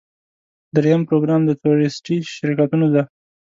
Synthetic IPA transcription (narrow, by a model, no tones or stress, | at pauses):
d̪ɾejampɾoɡɾɑmd̪ət̪uɾɪsʈiʃɪɾkat̪unod̪a